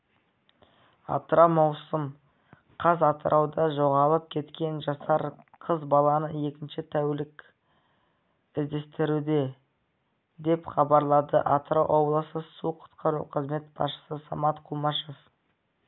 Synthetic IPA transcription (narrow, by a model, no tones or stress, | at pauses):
ɑ̰t̪əɾɑmɑwsəm | qʰɑzɑt̪əɾʔɑwd̪ɑʒo̞ʁɑlˠəp̚kʲʰe̞t̪kʲe̞nʒɑsɑɾ | qʰəzbɑlˠɑnəje̞kʲɪnʃɪt̪ʰæwlɪkʲ | ɪzd̪e̞st̪ɪɾud̪e̞ | d̪e̞pχɑbɑɾlˠɑd̪ə̰ʔɑt̪ɾowʔo̞blˠəsəsuqʰʊ̥t̪qʰɑɾṵqʰəzme̞t̪̚b̥ɑ̰sʃə̥səsɑmɑt̪qʰumɑʃef